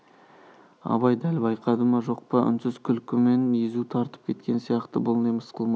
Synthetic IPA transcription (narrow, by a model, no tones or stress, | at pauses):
ɑ̰βɑjd̪ælbɑjqɑd̪əmɑʒo̞q̚pəʏ̰nsɪz̥kʲʰʏlkʲɪme̞nizut̪ʰɑɾt̪ə̥p̚kʲʰe̞t̪̚kʲe̞nsijɑqt̪əbʊlˠneməsqəlˠmɑ